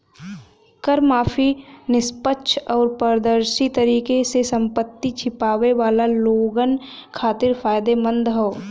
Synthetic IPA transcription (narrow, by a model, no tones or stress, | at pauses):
kəɾmaːpʰinɪspətːʃʰɔːɾpəɾd̪əɾsit̪əɾiːkesesə̃mpət̪ːit͡ʃʰɪpaːʋeʋaːlaloːɡən | kʰaːt̪ɪɾfʰaːjd̪emə̃nd̪ɦoː